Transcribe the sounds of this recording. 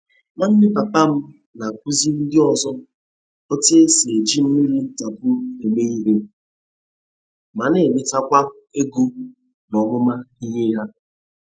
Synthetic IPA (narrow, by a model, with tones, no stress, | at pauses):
ma˦n̩˦nɪ˦pa˨pa˦m̩˦ | na˨k̚ʷu˦zi˦n̩˦dɪ˦ɔ˨zɔ˦ | ɔ˦ti˦e˦si˨e˨d͡ʒi˦m̩˦mi˦ɾi˦n̩˦ta˨pʊ˦e˨me˦ɣi˦ɾe˦ | ma˨ne˨nɪ˨ta˦kʷa˦ | e˦ɡu˦ | nɔ˨mʊ˦ma˦i˦ɲe˦ɦa˦